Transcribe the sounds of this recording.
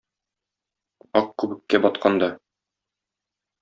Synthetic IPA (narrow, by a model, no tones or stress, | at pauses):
ɒq̚kʉbɘ̆kːæbɒt̪̚qɑnd̪ɑ